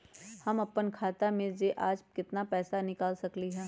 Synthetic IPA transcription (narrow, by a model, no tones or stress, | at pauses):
hɐmɐpənkʰaːt̪amẽzeʔaːd͡ʒkɪt̪napɛːsanɪkaːlsɐkliɦɛː